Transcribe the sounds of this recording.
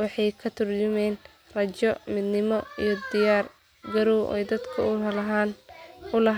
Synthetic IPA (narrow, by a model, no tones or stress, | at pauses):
wɑħɑjkʰɐt̪ʰʊrt͡ʃʊmɛːn | rɐt͡ʃɔmɪd̪nɪmɔijɞd̪ɪjaːr | ɡɐɾuːʔɛjd̪ɐd̪kʰɐʊɦɐlɐɦaːnʊlɐɦ